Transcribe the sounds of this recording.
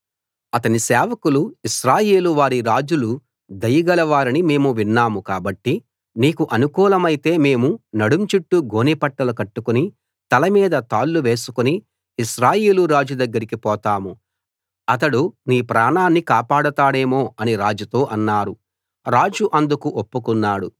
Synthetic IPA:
ɐt̪ɐnisɛːʋɐkuluiʃɾaːjeːluʋaːɾiɾaːd͡ʒulu | d̪ɐjɐɡɐlɐʋaːɾinime̞ːmuʋinːaːmukaːbɐʈːi | niːkuʔɐnukuːlɐmɐjit̪e̞ːme̞ːmunɐɽumt͡ʃuʈːuɡo̞ːnipɐʈːɐlukɐʈːukuni | t̪ɐlɐmiːd̪ɐt̪aːlːuʋe̞ːsu̥kuniː | ʃɾaːjeːluɾaːd͡ʒud̪ɐɡːɐɾikipɔːt̪aːmu | ɐt̪ɐɽuniːpɾaːɳaːnːikaːpaːɽɐt̪aːɽe̞ːmo̞ːɐniɾaːd͡ʒut̪o̞ːʔɐnːaːɾu | ɾaːd͡ʒuʔɐnd̪ukuʔopːukunːaːɽu

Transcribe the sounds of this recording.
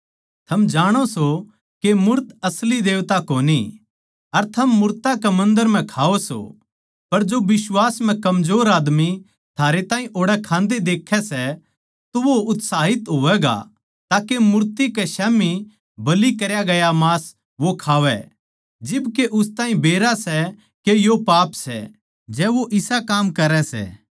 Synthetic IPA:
t̪ʰɐmd͡ʒaːɽ̃oso | kemʊɾt̪ɐslid̪eːʋt̪akoːni | ɐɾt̪ʰɐmːʊɾt̪akɛmɐ̃nd̪əɾm̤ɛ̃kʰaːoso̰ | pɐɾd͡ʒoʋɪswaːsm̤ɛ̃kɐmzoːɾaːd̪mi | t̪ʰaːɾet̪ãːĩʔoːɽɛkʰãːnd̪ed̪eːkʰːɛsɛ | t̪oʋoʊt̪saːɦɪt̪ɦoːʋɛɡa̰ | t̪aːkemʊɾt̪ikɛʃɛːmi | bɐlikɐɾjaɡɐjamaːs | ʋokʰaːʋɛ | d͡ʒɪbkeʔʊst̪ãːɦĩbeːɾasɛ | kejopaːpsɛ̰ | d͡ʒɛːʋoʔɪsakaːmkɐɾɛsɛ̰ː

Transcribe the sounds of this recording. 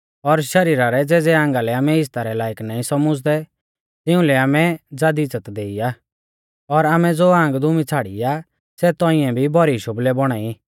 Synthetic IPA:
ɔɾʃɐɾiːɾaɾɛd͡zɛːd͡zɛãːŋɡalɛaːmɛɪs̬t̪aɾɛlaːjəknaːĩsɐmʊd͡zd̪ɛ | t̪ɪ̃ũlɛaːmɛd͡zaːd̪it͡sət̪d̪eːiaː | ɔɾaːmɛd͡zoːãːŋɡd̪ʱʊmit͡sʰaːɽḭa | sɛt̪ɔ̃ĩɛ̃bʱibʱɔɾiʃʊblɛbɔɽ̃aːi

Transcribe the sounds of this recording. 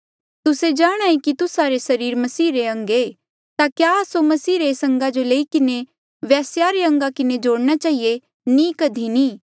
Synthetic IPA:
t̪ʊsed͡ʒaːɽ̃aːikit̪ʊsaɾesɐɾiːɾmɐsiːɾeɐ̃ŋɡe | t̪akjasomɐsiːɾeːsɐ̃ŋɡad͡ʒoleːikɪne | ʋɛːsjaɾeɐ̃ŋɡakɪned͡ʒoːɽñat͡ʃaːɦie | nĩkɐd̪ʱiniː

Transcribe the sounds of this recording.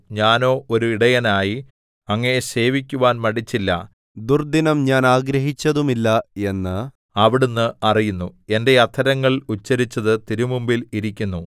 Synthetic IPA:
ɲaːno̞ːʔoɾuiɽɐjɐnaːji | ɐŋːɐne̞se̞ːʋikʲːuʋaːnmɐɽit͡ɕːilːɐ̰ | d̪urd̪inɐmɲaːnaːɡɾɐɦit͡ɕːɐðumilːɐe̞nːɨ | ɐʋiɽunːɨɐrijunːue̞nde̞jɐt̪ʰːɐɾɐŋːɐɭut͡ɕːɐɾit͡ɕːɐðɨt̪iɾumumbiliɾikʲːunːu

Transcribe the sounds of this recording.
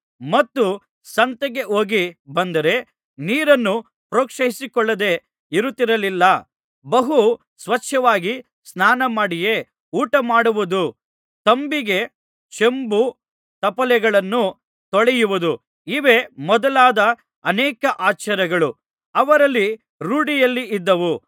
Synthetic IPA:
mɐt̪ːu | sɐnt̪ɐɡe̞ʔoːɡibɐnd̪ɐɾe̞ | niːɾɐnːu | pɾoːkʂɐɦisikɔɭːɐd̪e̞ | iɾut̪ːiɾɐlilːɐ | bɐɦu | sʋɐt͡ʃʰjɐʋaːɡi | snaːnɐmaːɽije̞ | uːʈɐmaːɽuʋud̪u | t̪ɐmbiɡe̞ | t͡ʃe̞mbu | t̪ɐpɐlɛɡɐɭɐnːu | t̪ɔɭɛjuʋud̪u | iʋe̞mɔd̪ɐlaːd̪ɐ | ɐnɛːkɐʔaːt͡ʃɐɾɐɡɐɭu | ɐʋɐɾɐlːi | ɾuːɽijɐlːiid̪ːɐʋu

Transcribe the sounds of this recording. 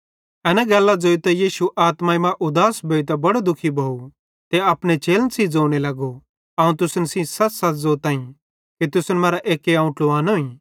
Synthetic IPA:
ɛːnɛ̃ɡɛːlːad͡zoːit̪ɛjiːʃuʔaːt̪maimãʔʊd̪aːsbʱeːit̪ɛbɐɽod̪ʊkʰibʱoːu | t̪eɐpɽ̃et͡ʃeːlnsid͡zoːɽ̃elɐɡo | ɐːũt̪̬ʊsənsĩsɐtsɐt̪zoːt̪ãːĩ | kit̪ʊsənmɐːɾaʔeːkeaũʈloʋaːnoːĩː

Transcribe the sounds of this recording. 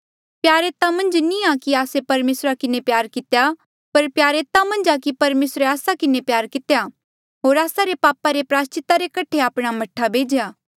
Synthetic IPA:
pjaːɾeːt̪amɐ̃nd͡ʒnĩakiaːsepɐɾmeːsɾakɪnepjaːɾkɪt̪eja | pɐɾpjaːɾeːt̪amɐ̃nd͡ʒakipɐɾmeːsɾeaːsakɪnepjaːɾkɪt̪eja | ɦoːɾaːsaɾepaːpaɾepɾaːst͡ʃɪt̪aɾekɐʈʰeaːpɽ̃amɐʈʰːabʱeːd͡ʒjaː

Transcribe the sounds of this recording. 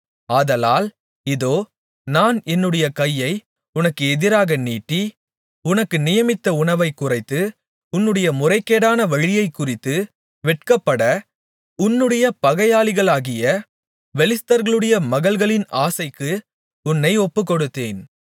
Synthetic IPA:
aːðɐlaːl | ɪðoː | naːnɛnːɯɽɐjɐkɐjːɐɪ | ʊnɐkːɯɛðɪɾaːɣɐniːʈːi | ʊnɐkːɯnɪjɐmɪt̪ːɐʊɳɐʋɐɪkːʊrɐɪt̪ːɯ | ʊnːɯɽɐjɐmʊrɐɪkːeːɽaːnɐʋɐɻɪjɐɪkːʊrɪt̪ːɯ | ʋɛʈ̚kɐpːɐɽɐ | ʊnːɯɽɐjɐpɐɣɐjaːlɪɣɐɭaːɣɪjɐ | ʋɛlɪst̪ɐɾɣɐɭɯɽɐjɐmɐɣɐɭɣɐɭɪnaːsɐɪkːɯ | ʊnːɐɪɔpːɯkːɔɽɯt̪ːeːn

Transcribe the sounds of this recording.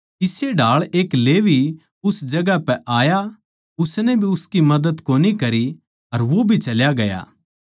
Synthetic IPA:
ɪseɖʱaːɭeːkleːʋi | ʊsd͡ʒɐɡapɛʔaːja | ʊsnɛbʱiʊskimɐd̪əd̪koːnikɐɾi | ɐɾʋobʱit͡ʃɐljaɡɐja̰ː

